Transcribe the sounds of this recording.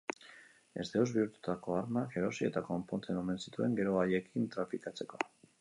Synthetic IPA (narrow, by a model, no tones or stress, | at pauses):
e̞̰zd̪eozβiuɾt̪u̥t̪ako̞aɾmake̞ɾo̞sie̞t̪ako̞mpont̪enome̞nsit̪ue̞ŋɡe̞ɾo̞aje̞kʰint̪ɾafikat͡se̞ko̞